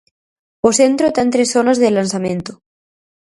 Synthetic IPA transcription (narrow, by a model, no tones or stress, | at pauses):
osent̪ɾot̪ant̪ɾesθonazðelansamẽnt̪o